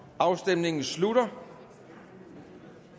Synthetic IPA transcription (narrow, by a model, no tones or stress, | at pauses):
ɑ̈ʊsd̥emne̝ŋn̩slud̥ɐ